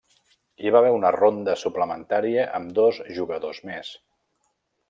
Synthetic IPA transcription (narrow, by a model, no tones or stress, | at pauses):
iβ̞aβɛunərond̪əsupləmənt̪aɾiəʔəmd̪ɔzʒuɣəðozmes